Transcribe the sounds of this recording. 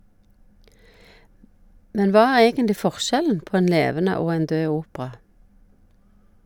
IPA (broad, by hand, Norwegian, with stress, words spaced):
ˈmɛn ˈʋɑː ˈæːʁ ˈeːɡənlɪ ˈfɔʁˌʃɛln̩ ˈpoː ˈeːn ˈleːʋənə ˈoː ˈeːn ˈdøː ˈuːpʁɑ